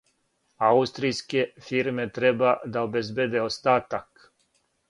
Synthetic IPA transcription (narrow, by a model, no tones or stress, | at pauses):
aust̪ɾijskefiɾmet̪ɾebad̪aobezbed̪eost̪aːt̪ak